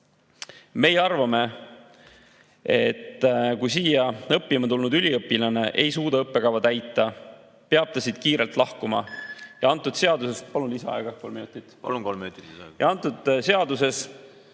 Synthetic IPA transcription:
me̞jeɑrvɑme̞ | e̞t̪ːkujsiːjɑɤpːimɑt̪ulnud̪ylʲiɤpːilɑne̞ʔe̞jsuːd̪̥ɑɤpːe̞kɑwvɑt̪æjt̪ːˑɑ | peɑb̥̚t̪ɑsid̪̥̚kiːɾe̞lt̪ˑlɑhkumɑ̰jɑɑnt̪ːˑud̪̥se̞ɑd̪use̞st̪pɑluniseɑ̰eɡ̥ɑkolminut̪ːˑit̪ːˑukolmiut̪ːjɑɑnt̪ːˑud̪̥se̞ɑd̪use̞s

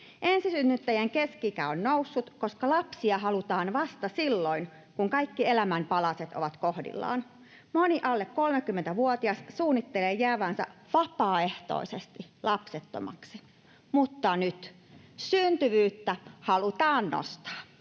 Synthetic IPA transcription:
ʔensisynːyt̪ːæjæŋkeskikæonnousːut̪koskɑlɑpsiɑhɑlut̪ɑːnʋɑst̪ɑsilːoin | kuŋkɑikːielæmæmpɑlɑset̪o̰ʋɑt̪kohdḭlːɑ̰ːn | moniʔɑlːekkolmekːymːent̪æʋuot̪iɑssuːnːit̪ːeleːjæːʋæːnsæ̰ʋɑpɑːeht̪o̰isest̪ilɑpset̪ːo̰mɑ̰ksi | mut̪ːɑnyt̪ | synt̪yʋyːt̪ːæhɑlut̪ɑːnno̰st̪ɑ̥ː

